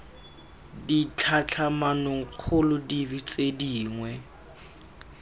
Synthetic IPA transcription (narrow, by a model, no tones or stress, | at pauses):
dit͡ɬʰat͡ɬʰamanʊŋ̩k͡xʰʊlʊdivit͡sʼediːŋwɛ